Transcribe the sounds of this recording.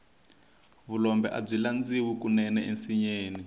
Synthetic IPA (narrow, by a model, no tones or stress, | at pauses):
βulɔmbɛʔa̰b͡ʐiland͡ziwikunɛnɛʔensiɲeːni